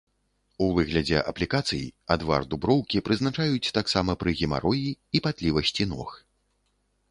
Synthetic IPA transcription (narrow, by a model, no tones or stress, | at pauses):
uvɨɣlʲɐd͡zʲɛ̰ʔɐ̰plʲikat̪sɨjḭad̪va̰rd̪ubɾɔwkʲipɾɨznat͡ʂajut͡sʲt̪aksamɐpɾɨɣʲima̰ɾɔjiːpat̪lʲivɐsʲt͡sʲinɔ̰x